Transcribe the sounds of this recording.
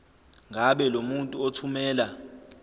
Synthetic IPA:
ŋʱaɓɛlomuntʼuotʰumɛːla

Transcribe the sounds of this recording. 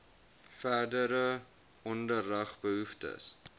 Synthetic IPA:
færdəɾə | ɔndərːəχbəɦuftə̰s

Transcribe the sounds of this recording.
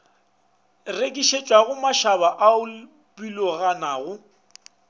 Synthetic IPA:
rekʼiʃet͡ʃʼwaɣʊmaʃaβaʔaʊ | bʼilɔɣanaːɣʊ

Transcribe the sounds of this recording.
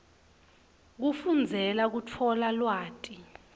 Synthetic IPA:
k̬ufund͡zʱɛlak̬utʰɔlalwaːtʼi

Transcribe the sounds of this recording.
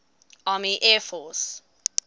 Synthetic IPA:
ɑːmiʔɛːfɔs

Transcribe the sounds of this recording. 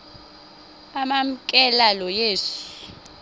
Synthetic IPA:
amam̩kʼɛlalɔjeːʂi̥

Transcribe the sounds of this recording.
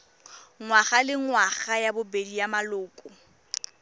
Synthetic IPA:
ŋwaχalɪŋwaχajabʊbedijamalʊːkʼʊ

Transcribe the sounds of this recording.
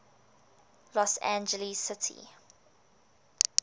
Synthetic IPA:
lɔsæ̰̃nd͡ʒəlisɪtʰḭ

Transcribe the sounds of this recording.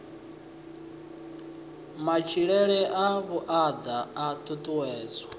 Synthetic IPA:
mat͡ʃʰiɺɛɺɛʔaβuʔad̪aːt̪ʰutʼuwɛːzwa

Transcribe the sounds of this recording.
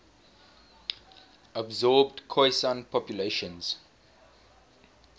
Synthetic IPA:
abzɔːbdkʰɔɪsãnpʰɔpjuleʃə̃nz̥

